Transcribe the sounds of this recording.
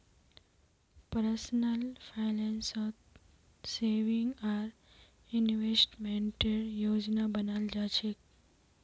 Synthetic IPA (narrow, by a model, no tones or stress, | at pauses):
pəɾəsnəlpʰaɪlensɔt̪ | seːʋiŋɡaːɾ | inʋesʈmeɳʈeɾjoːd͡ʒnabənald͡ʒat͡ʃʰek